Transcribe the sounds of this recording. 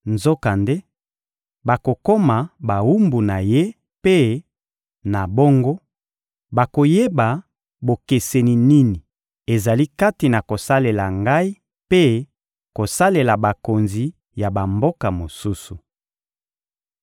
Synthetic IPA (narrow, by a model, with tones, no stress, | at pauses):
nzo˦ka˨nde˦ | ba˨ko˨ko˦ma˨ba˨wu˦mbu˨na˨je˦ | pe˦ | na˨bo˦ŋɡo˦ | ba˨ko˨je˦ba˨ | bo˨ke˨se˨ni˨ni˦ni˨ | e˨za˨li˦ka˦ti˨na˨ko˨sa˦le˨la̰˨ŋɡa˦i˦ | pe˦ | ko˨sa˦le˨la˨ba˨ko˨nzi˨ | ja˨ba˨mbo˦ka˨mo˨su˦su˨